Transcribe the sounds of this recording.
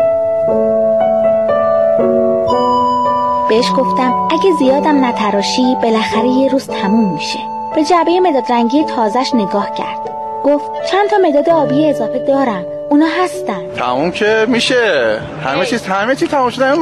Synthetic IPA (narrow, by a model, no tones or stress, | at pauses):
b̥eeʃɡo̞ft̪æmæɟezijɒːd̪æmnæt̪ʰæɾɒːʃib̥e̞læxæɾejeɾuːz̥t̪ʰæmumːiʃe̞ | b̥e̞d͡ʒæbejeme̞d̪ɒːd̪ɾæŋɟijet̪ʰɒːzæʃne̞ɡɒːhcʰæ̰ɾd̪̥ | ɡ̥oft̪̚t͡ʃʰænt̪ʰɒːme̞d̪ɒːd̪eɒːbijeːzɒːfe̞d̪ɒːɾæm | uːnɒːɦæst̪ænd̪t̪ʰæ̰mumcʰemiːʃe | hæ̰met͡ʃʰiːzhæmet͡ʃʰiːz̥t̪ʰæmumʃod̪æ